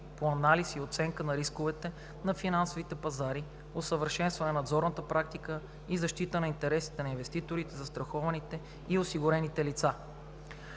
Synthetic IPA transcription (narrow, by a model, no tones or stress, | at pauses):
poɐnalisiot̪sɛŋkənɐɾiskovɛt̪ɛ | nɐfinansovit̪ɛpɐzaɾi | osəvəɾʃɛnst̪vɐnɛnɐd̪zɔɾnət̪əpɾak̚t̪ikə | izɐʃt̪it̪ənɐint̪ɛɾɛsi̥t̪ɛnɐinvɛst̪it̪oɾit̪ɛzɐst̪ɾɐxɔvɐnit̪ɛ | iosiɡʊɾɛnit̪ɛlit̪sa